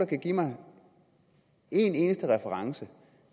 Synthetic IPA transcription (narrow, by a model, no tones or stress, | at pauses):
ɑkʰæɡ̥imɑ̈ɪ | e̝ne̝ːnəsd̥əʁɛfəʁɑ̈ŋsə